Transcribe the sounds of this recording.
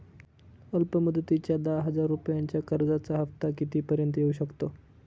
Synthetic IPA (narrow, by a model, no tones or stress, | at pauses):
əlpəmud̪ət̪it͡ɕjad̪aɦəd͡zaɾːupjaɲt͡ɕjakəɾd͡zat͡saɦəft̪akit̪iːpəɾjənt̪əjeuɕəkt̪o